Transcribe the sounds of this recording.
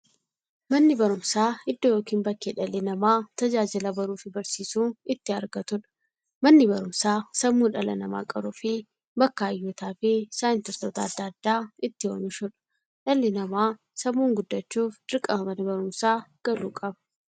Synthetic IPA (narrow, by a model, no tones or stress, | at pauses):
mɐnːɪbɐɾʊmsaːɪd̪ːojoːkiːmbɐkːeːᶑɐlɪnɐmaːt̪ɐd͡ʒaːd͡ʒɪlɐbɐɾuːfɪbɐɾsiːsuːɪt̪ːɪɐɾɡɐt̪ʊᶑɐ̥ | mɐnːɪbɐɾʊmsaːsɐmːuːnᶑɐlɐnɐma̰ːkʼɐɾufɪ | bɐkːaɐjːɔt̪aːfɪsaːjɪnt̪ɪɾt̪oːt̪ɐːd̪ːɐːd̪ːaːɪt̪ːɪwɐmɪʃʊᶑɐ̥ | ᶑɐlːɪnɐmaː | sɐmːuːŋɡʊd̪ːɐt͡ʃːuːfᶑ̪ɪɾkʼɐmɐmɐnɪbɐɾʊmsaːɡ̥ɐluːkʼɐbɐ̥